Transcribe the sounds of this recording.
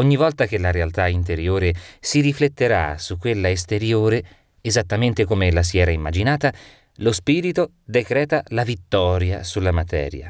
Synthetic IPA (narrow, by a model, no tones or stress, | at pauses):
oɲːivɔlt̪ak̟elaɾealt̪aint̪eɾjoːɾesiɾiflet̪ːeɾa̰sukːwelːaest̪eɾjoːɾe | ezat̪ːament̪ekomelas̬iɛːɾaimːad͡ʒinaːt̪a | lospiːɾit̪o | d̪ekɾɛːt̪alavit̪ːɔːɾjasulːamat̪ɛ̰ːɾja̰